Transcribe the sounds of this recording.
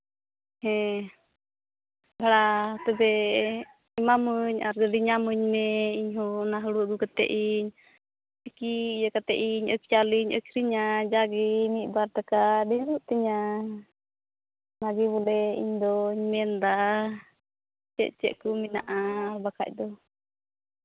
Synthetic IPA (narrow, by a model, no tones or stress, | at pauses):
hɛ̃ | bʱaɽat̪ɛbɛ | imaməɲa̰ɾɡəɾiɲaməɲmɛiɲɦɔnaɦəɽuɡukat̪ɛ̰ʔiɲ | sikijakat̪ɛ̰ʔiɲə̰kjaliɲə̰kʰɾiɲad͡ʒaɡimit̪̚ˀbaɾt̪akaɖɛɾuʔt̪ɛɲa | maɡiβɔlɛḭɲd̪ɔiɲmɛnd̪a | t͡ʃɛ̰ʔ̪̚t͡ʃɛ̰ʔkuminaʔaɾbakʰa̰c̚d̪ɔ